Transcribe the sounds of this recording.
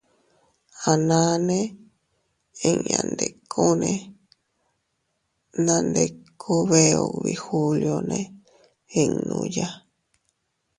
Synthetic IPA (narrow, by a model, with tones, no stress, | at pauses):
a˨nã˦nẽ˦ | ẽ˧ã̰˨nd̪e˨kʰo˦nẽ˧ | nã˧nd̪e˧kʰu˦βe˧o˧βi˨hu˧ljo˧nẽ˦ | ẽ˧ŋnũ˧ja˦